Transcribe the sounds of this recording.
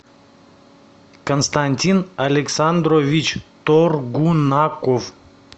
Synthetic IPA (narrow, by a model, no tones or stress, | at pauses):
kənst̪anʲt̪ʲinalʲɛksand̪ɾovʲit͡ʃt̪oɾɡunakov